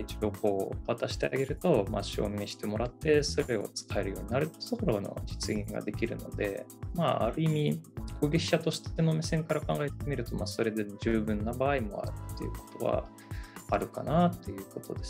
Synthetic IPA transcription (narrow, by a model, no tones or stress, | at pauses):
it͡ɕio̞ko̞ːβat̪aɕi̥t̪ea̰ɡe̞ɾɯ̟t̪o̞ma̰ɕo̞̰ːmeɕi̥t̪e̞mo̞ɾat̪ːe̞so̞ɾe̞o̞̰t͡sɨ̥kʰae̞ɾɯ̟jo̞ːɲinaɾɯ̟soɾo̞no̞̰d͡ʑit͡sɨɡʲĩŋɡa̰d̪e̞kʲiɾɯ̟no̞̰d̪e̞̰maa̰ɾɯ̟imʲikoɡʲeiɕat̪o̞ɕi̥t̪enomisẽ̞ŋkaɾakãŋɡae̞t̪e̞mʲiɾɯ̟t̪o̞maːso̞ɾe̞d̪ed͡ʑɨːbɯ̟̃nːabaːimo̞̰a̰ɾɯ̟t̪ːejɯ̟ko̥t̪o̞̰βa̰ | aɾɯ̟ka̰nat̪ːe̞jɯ̟ːko̞t̪o̞d̪e̞s